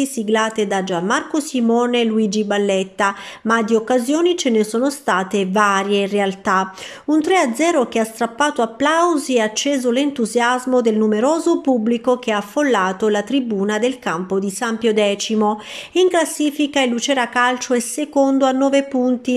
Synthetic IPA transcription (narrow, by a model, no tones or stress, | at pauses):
isiɡlaːt̪ed̪ad͡ʒamːarkosimɔːneluiːd͡ʒibalːɛt̪ːamad̪iokːazjoːnit͡ʃenesoːnost̪aːt̪evaːɾjerealt̪a | unt̪ɾead̪zɛːɾokeast̪ɾapːaːt̪oapːlawziat͡ʃːeːzolent̪uzjazmod̪elnumeɾoːzopubːlikok̟eaːfːolːaːt̪olat̪ɾibuːnad̪elkampod̪isampjod̪ɛːt͡ʃimoiŋklasːiːfikailːut͡ʃɛːɾakalt͡ʃoɛsːekond̪oanːɔːvepunt̪i